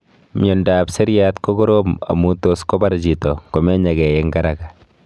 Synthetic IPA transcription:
mjɔ˨nda˨pse˦ɾja˦t̪ko˦ɡo˦ɾo˦ma̰˨mu˦to˦skɔ˦ba˦ɾd͡ʒi˨tɔ˨kɔ˨mɛ˦ɲa˨ɡɛ˨jɛ˦ŋɡa˦ɾa˨ka˨

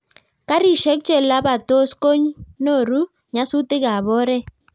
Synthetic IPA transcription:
ka˦ɾi˨ʃɛ˦k̚t͡ʃɛ˦˨la˦ba˨to˦sko˦ɲ˦no˦˨ɾu˦ | ɲa˦sʊ˦tɪ˦ka˨βɔ˦ɾɛ˦

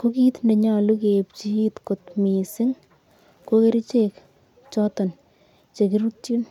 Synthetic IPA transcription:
ko˦ki˦t̪nde˨ɲa˦lu˦ke˨pt͡ʃi˦t̪ko˨t̪mi˨sɪ˦ŋ | ko˦ke˦ɾi˦t͡ʃek | t͡ʃɔtɔ˨n | t͡ʃe˨k̬iɾu˦ti˦n

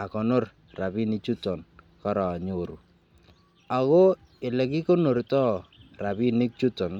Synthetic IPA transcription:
a˨kɔ˨no˦r | ra˨bi˦ni˦t͡ʃu˦tɔ˨n | kɔ˦ɾɔ˨ɲo˨ɾu˨ | a˨ɣo˦ | ɪ˨lɛ˨ki˦ko˦no˨ɾtɔ˦ra˨bi˦nɪ˦k̚t͡ʃu˦tɔ˨n

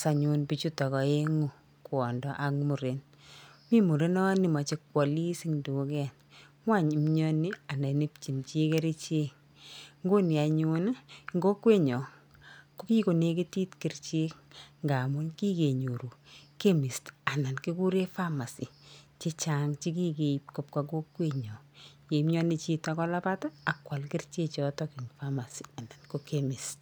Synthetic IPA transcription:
sa˨ɲu˧npi˨t͡ʃu˦tɔ˨kɔ˨e˦ŋu˨ | kwɔ˨ndɔ˦ʔa˦kmu˨ɾe˨n | mi˦mu˨ɾe˦nɔ˦ni˨ma˨t͡ʃe˦kwɔ˨li˦si˦ŋdu˨˦kɛ˦n | mwa˦˨ɲ˨mɲɔ˦ni˦a˨na˨ne˦p̚t͡ʃi˨nt͡ʃe˦ke˦ɾi˦t͡ʃe˦k | ŋɡo˦ni˨a˨ɲu˦nŋɡo˦kwe˦ɲɔ˨ | ko˦ki˦ko˨ne˦ke˦ti˦tkɪ˨rt͡ʃe˦kŋɡa˨mʊ˦nki˦ke˨ɲo˨ɾu˨ke˦mi˨sta˨na˨nki˦ku˦ɾe˦fa˦ma˨si˨t͡ʃe˦t͡ʃa˦ŋt͡ʃi˦k̬i˦ke˨i˨p̚kop̚ka˨ɡo˦kːwe˦ɲɔ˨ | je˨˦mɲɔ˦ni˦t͡ʃi˦ta˦kɔ˦la˦patɔ˦a˨kwa˨lkɪ˦rt͡ʃe˦t͡ʃɔtɔki˨ŋfa˦ma˨si̥˨a˨na˨nko˦kemi˨st

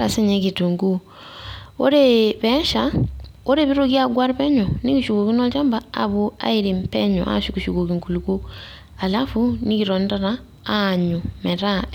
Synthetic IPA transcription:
ɾa˨se˦ɲe˦ki˨tu˨ŋɡu˦ | o˦ɾeβɛ˦ʃao˦ɾeβi˦ɾo˦ɣjaɡwa˦ɾi˦βɛ˦ɲɔni˦kiʃu˨ku˨ki˦nɔ˦ɟa˦mbaa̰˨βu˦a̰˦iɾe˨mpɛ˦ɲɔ̰ʔa̰˦ʃi˦ki˨ʃu˨ko˨ki˨ŋku˨luku˦ | a˨la˦funi˦kiɾɔ˨nda˦ɾaː | ɲumɛ˨ɾa˦

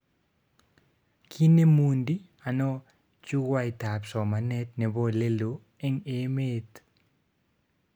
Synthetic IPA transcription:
kʰi˦ne˦mu˨ndi˦ | a˨nɔ˦ | t͡ʃu˦ɡwa˦ɪ˨ta˨psɔ˨ma˨nɛ˦t̪̚ne˨bɔ˦le˦lo˨ | e˦ŋe˦me˦t̪

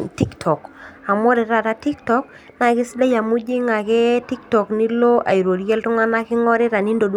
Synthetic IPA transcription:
ti˦ktʰɔ˨ka˨mɔ˦ɾɪ˨ɾa˦˨ɾa˦ti˦ktɔ˦k | na˨kɪ˦sɪ˦la˦ja˨mu˦d͡ʒi˦ŋa˨kɛ˦ti˦ktɔ˨knɪ˦lo˦ʔa̰˨i˨ɾo˨ɾjɛ˦ltʊ˦ŋa˦na˦kɪ˦ŋɔ˦ɾɪ˦ɾa˨ni˦ndo˨d

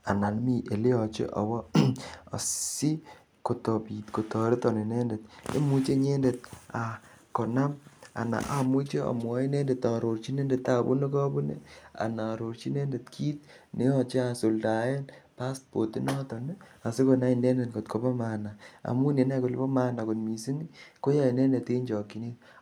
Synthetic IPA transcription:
a˨na˨lmi˨ʔe˨le˦ɔ˨t͡ʃḛ˦ʔɔ̰˨wɔ˦a˨si˦ | ko˨tɔ˨pi˨tko˨tɔ˨ɾe˦tɔ˨ne˨ne˦nde˨t̚ḛ˦mu˦t͡ʃe˦ɲe˦nde˨t̚a˨ | ko˨na˦ma̰˨na̰˨ʔa˨mu˦t͡ʃe˦a̰˨mwɔ˦i˦ne˦nde˨tɔ˨ɾo˨ɾt͡ʃi˦ne˦nde˨t̪a˨bṵ˦ne˦kɔ˦bu˦nḛ˦a̰˨na˨ɾo˨ɾt͡ʃi˦nɛ˦nde˨tkʰiː˦t̚ | ne˦ɔ˨t͡ʃe˦a˨so˨lda˨je˦npa˦st̚po˨ti˦nɔ˦tɔ˨ne˦a˨se˦ko˨na˦i˨nde˦nde˨nko˨tko˨pɔ˦ma˨na˨a̰˨mu˦ne˨na˦ko˨lbo˦ma˦na˨ko˨tmi˨si˦ni˦ko˦ja˦i˨nɛ˦nde˨te˦ɲd͡ʒɔ˨ki˨ne˦t

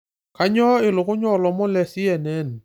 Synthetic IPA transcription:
ka˦ɲɔ˦ɪ˨lʊ˨kʊ˦ɲɔ˦˨lɔ˨mɔ˦lɛ˨si˦ɛ˨nɛ˦n

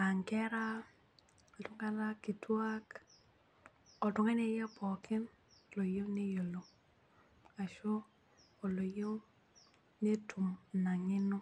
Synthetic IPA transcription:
a˨ŋkɛ˦ɾa˦ | a˨tʊ˦ŋa˦na˦kːi˨twa˦k | ɔ˨tʊ˨ŋɛ˦nɛ˦jɛ˦pʰɔ˨kɪ˦n | lo˨jo˦ne˦jo˨lo˨ | a˨ʃoː˦˨ | lo˨jo˦ | ne˦tu˨mna˨ŋɪ˦nʊ˦

